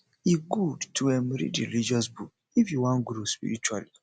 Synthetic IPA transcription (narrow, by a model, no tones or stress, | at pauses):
iɡudtʰuemɛɾḭdɾḭɾid͡ʒɔsbuk̚ | ifjuwɔ̃nɡɾospḭɾit͡ʃwa̰li